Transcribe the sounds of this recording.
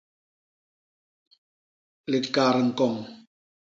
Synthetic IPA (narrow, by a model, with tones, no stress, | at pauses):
le˨tkaː˨ɾə˨ŋ̩˨kɔ˨ŋ